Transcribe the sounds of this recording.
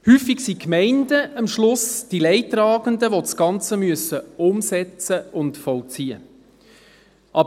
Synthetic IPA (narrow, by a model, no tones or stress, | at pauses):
hyːfɪksikmɛɪndəɑmʃlʊsd̥ilɛɪtɾɑːɡ̥əndəʋosɡ̥ɑnt͡səmyəsəʊmsɛt͡səʊntfɔlt͡siːə̰ | ʔɑb